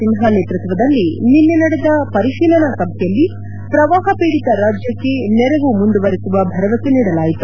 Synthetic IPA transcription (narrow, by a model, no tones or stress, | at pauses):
inɦaneːt̪ɾut̪ʋɐd̪ɐlːininːenɐɽed̪ɐpɐɾiʃiːlɐnɐkɐbʰʱɛjɐlːi | pɾɐʋaːɦɐpeːɽit̪ɐɾaːd͡ʒjɐkːe̞nɛɾeʋumund̪uʋɐɾisuʋɐbʱɐɾɐʋɐseniːɽɐlaːjit̪u̥